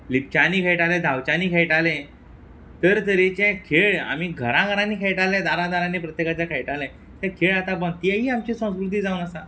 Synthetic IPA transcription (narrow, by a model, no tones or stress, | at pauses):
lip̚t͡ɕaniːkʰejʈalẽd̪ʱawt͡ɕaniːkʰejʈalɛ̃ | t̪əɾt̪əɾit͡ɕɛ̃kʰeɭa̰miɡʱəɾãɡʱəɾãnːiːkʰejʈalɛ̃d̪aɾãd̪aɾãnːiːpɾət̪jekat͡ɕjakʰejʈalɛ̃ | t̪ɛ̃kʰeɭat̪abəɳt̪iɛɦiːamt͡ɕisə̃w̃skɾut̪iːd͡zaunəsã